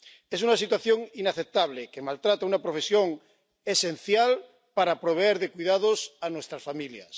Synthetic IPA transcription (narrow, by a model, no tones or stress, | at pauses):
esunasit̪waθjo̞ŋinaθep̚t̪aβlekemalt̪ɾat̪aunapɾo̞fe̞sjoŋ | ese̞n̟θjal | paɾapɾoβ̞eeɾðekwuiðaðosanwest̪ɾasfamilja̰s